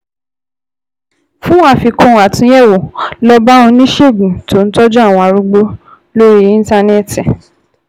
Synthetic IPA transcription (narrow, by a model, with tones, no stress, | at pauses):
fũ˦wa˦˨fi˧kɔ̃˦a˨tĩ˦ɛ˦˨wo˨lɔ˧ba˦õ˧nĩ˦ʃe˦˨ɡ͡bũ˨to˨˦n̩˦tɔ˦d͡ʒɔ˦a˦˨w̃ɔ̃˧a˧ɾu˧˦ɡ͡bo˦ | lo˦ɾi˦ĩ˦n˦ta˧ne˦ti˨